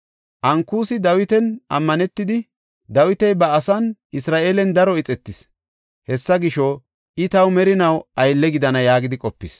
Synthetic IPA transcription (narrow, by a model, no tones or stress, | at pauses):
ʔɐŋkːuːsɪd̪ɐwɪt̪ɛnʔɐ̰mːɐnɛt̪ːɪd̪ɪ | d̪ɐwɪt̪ɛjbɐːsɐnʔɪsɾaːʔeːlɛnd̪ɐɾɔɪt͡sʼɛt̪ːɪs | hɛsːɐɡɪʃɔ | ʔɪt̪ɐwmɛɾɪnɐwʔɐjlːɛɡɪd̪ɐnɐjaːɡɪd̪ɪkʼɔpːɪs